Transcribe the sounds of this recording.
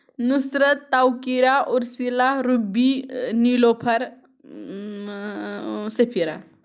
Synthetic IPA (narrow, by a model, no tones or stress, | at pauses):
nusɾət̪ːawkiɾaʔuɾsilaɦɾubinilopʰɐɾ | sepʰiɾa̰